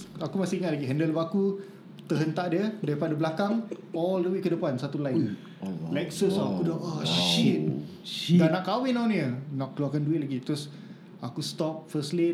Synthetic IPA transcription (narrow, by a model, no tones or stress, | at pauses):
akumasiiŋat̪̚laɡiɦəndəlɔfaku | t̪əɦənt̪aʔdiədaɾipadablakaŋɔldəwikːədəpansat̪ulaɪ | lɛksəsɔakudaɔʃit̪̚ | ɡanaʔkawinãwniənaʔkəluakanduɪt̪̚laɡit̪ɾɔs | akust̪ɔp̚fəsli